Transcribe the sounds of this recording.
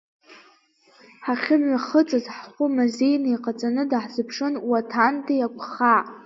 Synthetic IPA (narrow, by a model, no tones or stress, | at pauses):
ħaχʲɪmʷaχət͡sʼazħχʷʊmazejnaiqʼat͡sʼanɨdaħzɨpʰʂɨnwatʰantʰʼajakʷʰʼχa